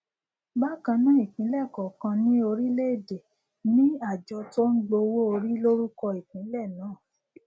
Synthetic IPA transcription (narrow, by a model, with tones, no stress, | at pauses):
ba˦˨kã˧nã˦i˦˨kĩ˨˦lɛ˦˨kɔ˨kã˧nĩ˦o˧ɾi˦le˦e˦˨de˨ | nĩ˦a˦˨d͡ʒɔ˧˦to˦n̩˦ɡ͡bo˧wo˦o˧ɾi˦lo˦ɾu˦kɔ˧i˨k͡pĩ˨˦lɛ˦˨nãː˨˦˨